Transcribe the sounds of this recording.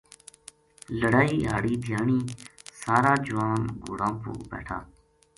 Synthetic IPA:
ləɽaːiːɦaːɽiːd̪ʱjaːɳiːsaːɾaːd͡ʒʊʋaːnɡʊ̰ːɽãːmpṵːbḛːʈʰa̰ː

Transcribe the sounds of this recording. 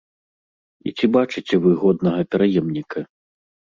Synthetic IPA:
ḭt͡sʲibat͡ʂɨt͡sʲɛvɨɣɔd̪̚nɐɣɐpʲɛɾajɛmnʲikɐ

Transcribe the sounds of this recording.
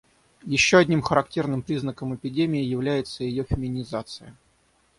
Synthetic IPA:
jɪɕːoɐdʲnʲimxəɾɐktʲe̞rnɨmpɾʲiznəkəmɪpʲɪdʲemʲɪɪjɪvlʲæjɪt̪səjɪjofʲɪmʲɪnʲɪzat̪sɨjə

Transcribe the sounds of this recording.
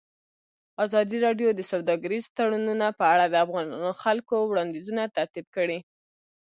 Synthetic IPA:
azɑd̪iɾɑɖjod̪əsawd̪ɑɡaɾizt̪aɽununapəaɽad̪əafɣɑnxalkowɽɑnd̪izunat̪aɾt̪ib̚kəɽi

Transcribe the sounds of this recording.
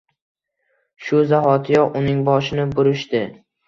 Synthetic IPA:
ʃʊzahɒt̪ʰɪjɒʔʊnɪŋbɒʃɪnɪbʊɾɪʃt̪ɪ

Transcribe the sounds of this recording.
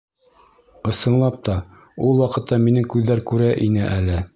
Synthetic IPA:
ɤ̆sɤ̆nlˠɑp̚t̪ɑ | ulˠwɑqɤ̆t̪ːɑminɘŋkʉðːæɾkʉɾæʔinɘʔælɘ

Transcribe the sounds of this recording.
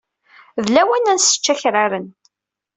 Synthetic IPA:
ðlæwænænsə̥t͡ʃːæçɾaɾən

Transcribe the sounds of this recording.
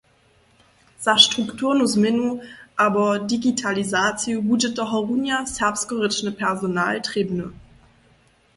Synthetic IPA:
z̥aʃtʁ̥uktʰuːɐnusmɛnuʔaːbɐdiɡitʰalizaːt͡sjobuːdət̚d̥ɐɦɔʁunjashɛɐpstɡ̥əʁɪt͡ʃnəpʰɛɐzonaːltʁ̥eːbənə

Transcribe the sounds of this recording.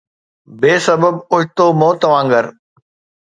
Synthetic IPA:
beːsɐbəbʊɦɪt̪oːmõːt̪ɐʋãːŋɡəɾ

